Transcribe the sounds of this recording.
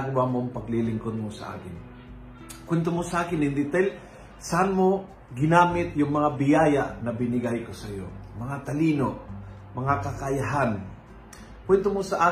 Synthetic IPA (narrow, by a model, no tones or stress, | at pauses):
ɡwamoɐŋpɐɡlilɪŋkod̪̚mosɐ̰ʔa̰ːkɪn | kwɛnt̪omosɐʔaːkɪnɪnd̪ɪt̪al | sɐʔanmo̞ | ɡɪnaːmɪt̪̚jʊŋmɐŋabɪjaːjaʔnɐbɪnɪɡajkosɐjo̞̰mɐŋat̪ɐliːno̞ | mɐŋakɐkɐjɐɦan | kwɛnt̪omosɐʔaː